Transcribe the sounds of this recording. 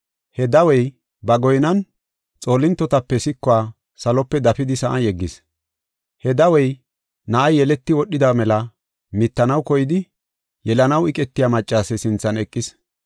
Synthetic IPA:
hɛd̪ɐwɛj | bɐɡɔjnɐn | t͡sʼo̞ːlɪnt̪ːɔt̪ɐpːɛsɪkːɔaː | sɐlɔpːɛd̪ɐfɪd̪ɪsɐʔɐjɛɡːɪs | hɛd̪ɐwɛj | nɐʔɐjːɛlɛt̪ːɪwɔɗːɪd̪amɛlɐ | mɪt̪ːɐnɐwkɔjɪd̪ɪ | jɛlɐnɐwɪkʼɛt̪ːɪjamɐt͡ʃʼːaːsɛsɪnt͡sːɐnɛkʼːɪs

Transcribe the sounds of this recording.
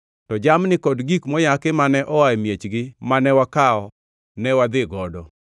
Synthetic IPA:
tɔd͡ʒamnɪkɔdɡikmɔjakɪmanɛʔɔwajmjet͡ʃɡɪmanɛwakaɔ | nɛwad̪ɪɡɔdɔ

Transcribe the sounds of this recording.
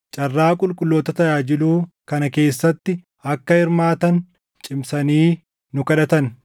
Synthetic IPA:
t͡ʃʼɐrːaːkʼʊlkʼʊlːoːt̪ɐt̪ɐjaːd͡ʒɪluː | kɐnɐke̞ːsːɐt̪ːɪ | ɐkːɐɪɾmaːt̪ɐn | t͡ʃʼɪmsɐniː | nʊkɐᶑɐt̪ɐn

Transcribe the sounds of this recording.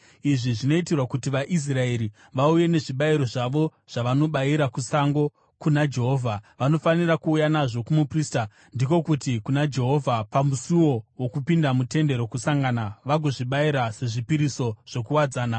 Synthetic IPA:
iʐiʐino̞itirwakutiʋaʔis̬rae̞ɾi | ʋauje̞ne̞ʐiɓaiɾo̞ʐaʋo̞ | ʐ̥aʋano̞ɓaiɾakusaŋɡo̞ | kunad͡ʒe̞ɦo̞ːvʱaʋano̞fanirakuːjanaʐo̞kumupriːsta | ndiko̞kutikunad͡ʒe̞ɦovʱapamusuwo̞wokupindamute̞nde̞ɾo̞kusaŋɡanaʋaɡʱo̞ʐiɓaiɾase̞ʐipiɾiso̞ʐ̥o̞kuwad͡zaːna

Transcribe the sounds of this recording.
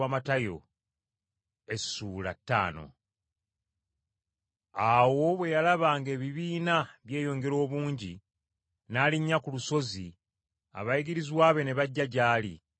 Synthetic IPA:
amatajo̞̰ | e̞suːla̰tːa̰ːno̞̰ | awo̞βwe̞jalaβaːŋɡe̞ːβiβiːnaβje̞ːjo̞ːŋɡe̞ɾo̞ːβuːɲɟi | naːliɲːakuluso̞zi | a̰βajiɡiɾizwaːβe̞ne̞βaɟːaɟaːlḭ

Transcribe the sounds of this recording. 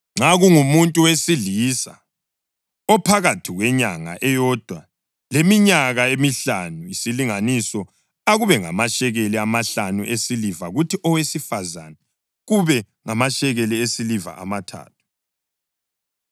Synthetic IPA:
ŋ͡ǁaɣuŋumuntʼuwesiɮisa̰ | ɔpʰaɣatʰiɣwɛɲaŋa̰ʔɛjɔːd̥ʱwa | lemiɲaɣaemiɬanuisiliŋanisɔ | aɣuβɛŋamaʃɛɣɛliamaɬanuʔesilivaɣutʰiʔɔwesifazanɛ | ɣuβɛ | ŋamaʃɛɣɛliesiliva̰ʔa̰matʰa̰ːtʰu̥

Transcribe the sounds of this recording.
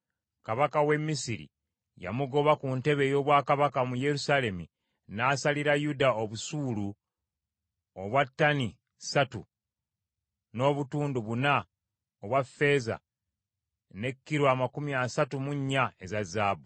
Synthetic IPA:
kaβakawe̞mːisiɾḭ | ja̰muɡo̞βakunte̞βe̞ːjo̞ːβwaːkaβakamuje̞ɾusale̞mḭ | naːsaliɾajudaoβusuːlu | oβwatːani | satṵ | no̞ːβutuːnduβuna | oβwafːe̞ːza̰ | ne̞kːiɾwaːmakumiasatumuɲːae̞zazːaːbu

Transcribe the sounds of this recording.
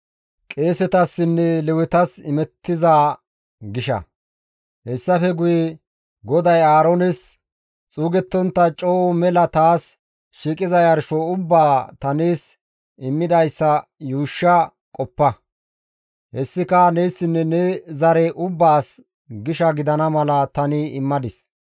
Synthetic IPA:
kʼe̞ːsɛt̪ɐsːɪnːɛlɛwʊt̪ɐsɪmɛt̪ːɪzaː | ɡɪʃɐ̰ | hɛsːɐfɛɡʊjɛ | ɡɔd̪ɐjaːɾonɛs | t͡sʼuːɡɛt̪ːɔnt̪ːɐt͡ʃʼo̞ːʔɔmɛlɐt̪aːs | ʃiːkʼɪzɐjɐɾʃɔʊbːaːt̪ɐneːs | ɪmːɪd̪ɐjsːɐjuːʃːɐ | kʼɔpːɐ | hɛsːɪkɐnejsːɪnːɛnɛzɐɾɛʔʊbːaːs | ɡɪʃɐɡɪd̪ɐnɐmɐlɐt̪ɐnɪɪmːɐd̪ɪs

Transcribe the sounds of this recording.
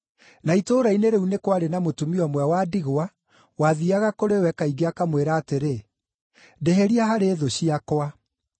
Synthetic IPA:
naitoːɾaineɾeunekwaɾenamotumiɔmwɛwadiɣwa | waðiaɣakoɾewɛkaiɡeakamweɾaːteɾe | deɦeɾiaɦaɾeːðoɕiakwa

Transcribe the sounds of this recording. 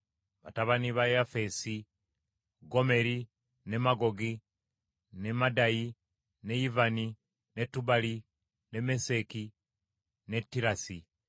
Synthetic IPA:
βa̰taβaniβajafesi | ɡome̞ɾi | nemaɡoɡi | nemadaji | nejivani | netubali | nemeseki | netːiɾasi

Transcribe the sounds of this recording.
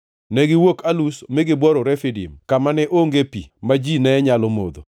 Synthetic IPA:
nɛɡɪwokʰalusmɪɡɪbwɔɾɔɾɛfidḭmkamanɛʔoŋɡepḭmad͡ʒinɛːɲalɔmo̰d̪o̰

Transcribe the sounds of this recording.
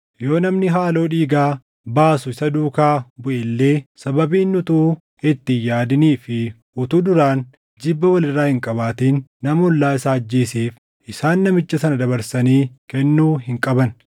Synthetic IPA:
jo̞ːnɐmnɪɦaːlo̞ːᶑiːɡaː | baːsʊɪsɐd̪uːkaːbʊʔɪlːe̞ːsɐbɐbiːnːʊt̪uː | ɪt̪ːɪjaːd̪ɪniːfɪ | ʔʊt̪ud̪ʊɾaːn | d͡ʒɪbːɐwɐlɪrːaːhɪŋkʼɐbaːt̪iːnːɐmʊlːaːɪsaːɐd͡ʒːeːseːf | ʔɪsaːnːɐmɪt͡ʃːɐsɐnɐd̪ɐβɐɾsɐniːkɛnːuːhɪŋkʼɐbɐn

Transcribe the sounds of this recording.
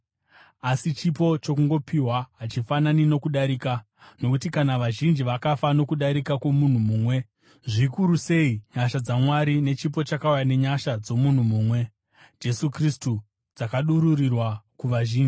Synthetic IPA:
asit͡ʃip̬o̞t͡ʃo̞kuŋɡo̞pʰiwaɦat͡ʃifananino̞kuɗaɾiːka | no̞kutikanaʋaʒind͡ʒiʋakafano̞kuɗaɾikakwo̞mun̤umuːmwe̞ | ʐikuɾuse̞iɲaʃad͡zamwaɾine̞t͡ʃip̬o̞t͡ʃakaujane̞ɲaʃad͡zo̞mun̤umuːmwe̞ | d͡ʒe̞sukristu | d͡zakaɗuɾurirwakuʋaʒiːnd͡ʒi

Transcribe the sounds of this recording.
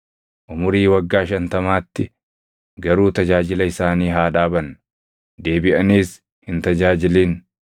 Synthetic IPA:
ʔʊmʊɾiːwɐɡːaːʃɐnt̪ɐmaːt̪ːɪ | ɡɐɾuːt̪ɐd͡ʒaːd͡ʒɪlɐɪsaːniːɦaːᶑaːbɐn | d̪e̞ːbɪʔɐniːs | hɪnt̪ɐd͡ʒaːd͡ʒɪliːn

